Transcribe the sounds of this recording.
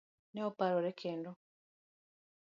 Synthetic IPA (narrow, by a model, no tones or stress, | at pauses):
neopaɾoɾekʰeːndo